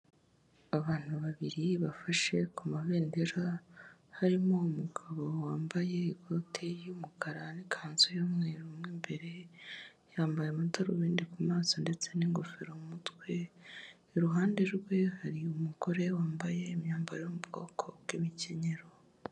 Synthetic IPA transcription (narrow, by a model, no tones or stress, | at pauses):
aβaːn̥huβaβiɾiβafaʃe̞kumaβe̞ːndeɾahaɾimo̞umuɡaβo̞waːmbaje̞iɡotʰejumukʰaɾanikʰaːnzojomŋeːɾumŋembe̞ɾe̞ | jaːmbajemutaɾowiːndikumaːzonde̞t͡se̞niŋɡofeɾomumutwe̞ | ɾuɦaːnde̞ɾɡwe̞haɾiumuko̞ɾe̞waːmbaje̞mɲaːmbajeomubɡo̞̰ːkʰo̞ɡwimice̞ɲe̞ɾo